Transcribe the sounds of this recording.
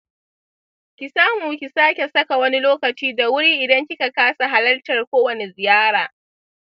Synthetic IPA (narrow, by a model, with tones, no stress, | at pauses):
kʲi˨saː˦muː˨kʲi˨saː˦kʲe˨sɐ˦ka˨wɐ˦ni˦loː˦kɐ˨t͡ʃiː˦da˨wʊ˦ɽiː˦ʔɪ˨dɐ˦ŋkʲɪ˦ka˨kaː˦sa˨ɦa˦lɐ˦ltɐ˨rkʷoː˦wɐ˨ne˨zɪ˨jaː˦ɽaː˨